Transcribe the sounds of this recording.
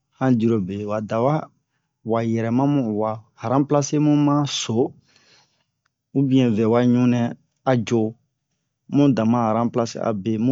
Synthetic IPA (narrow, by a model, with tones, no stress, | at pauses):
hã˦di˦˨ɾo˨be˨wa˨da˨wa˦ | wa˨jɛ˨ɾɛ˨mã˦mũ˦˨wa˨ha˨ɾã˦pla˦se˦mũ˦mã˦so˨˦ | u˦bĩ˦ɛ̃˨vɛ˨wa˦ɲũ˦nɛ̃˦ | a˨d͡ʒo˦ | mũ˦dã˨mã˦ha˨ɾã˦pla˦sḛ˦ʔa̰˨be˨m˦